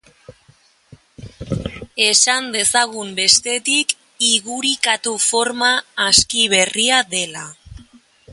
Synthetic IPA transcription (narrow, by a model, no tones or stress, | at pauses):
e̞sand̪e̞saɣ̞umbe̞st̪e̞t̪ik | iɣuɾikat̪ufo̞ɾmaːskiβ̞e̞riaðe̞la